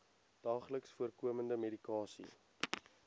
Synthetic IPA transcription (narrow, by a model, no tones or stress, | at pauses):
d̥ɑːχləksfuərkuəməndəmedikɑːsḭ